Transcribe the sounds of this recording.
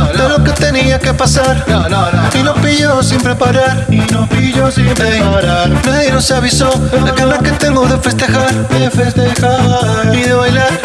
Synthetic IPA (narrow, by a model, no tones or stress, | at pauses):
dd̥̪elo̞ke̞t̪e̞niake̞pasaɾnononoinopiʝosimpɾepaɾaɾinopiʝosimeaɾaɾmeðinoseaβisoaenakent̪eŋɡoðefe̞st̪e̞xaɾd̪efest̪exaɾɾiðeβajlaɾ